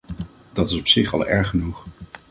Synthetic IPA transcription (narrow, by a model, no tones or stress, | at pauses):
dɑtɪsɔpsɪχɑ̰lˠɛɹχənuχ